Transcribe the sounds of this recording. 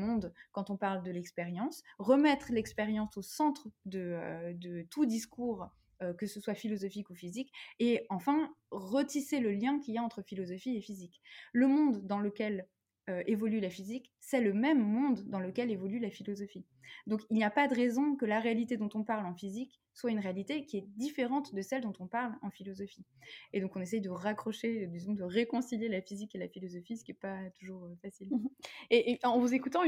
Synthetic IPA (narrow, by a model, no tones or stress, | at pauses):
mɔ̃d̪kɑ̃t̪ɔ̃paʁld̪əlɛkspeʁjɑ̃sʁəmɛt̪χlɛkspeʁjɑ̃sosɑ̃t̪χd̪əød̪ət̪ud̪iskuːʁ | økəsəswafilɔzɔfikufizikeɑ̃fɛ̃ʁət̪iseləljɛ̃kʲiljaɑ̃t̪χəfilɔzɔfiefizikləmɔ̃d̪ːɑ̃ləkʲɛl | øevɔlylafizik | sɛləmɛmːɔ̃d̪ːɑ̃ləkʲɛlevɔlylafilɔzɔfi | d̪ɔ̃kilniapad̪əʁezɔ̃kəlaʁealit̪ed̪ɔ̃t̪ɔ̃paʁlɑ̃fizik | swaynʁealit̪ekʲiɛd̪ifeʁɑ̃t̪d̪əsɛld̪ɔ̃t̪ɔ̃paʁlɑ̃filɔzɔfied̪ɔ̃kɔ̃nesɛjd̪əʁakχɔʃed̪izɔ̃d̪əʁekɔ̃siljelafizikelafilɔzɔfisə̥kʲiɛpat̪uʒuʁfasileʔɑ̃vuzekut̪ɑ̃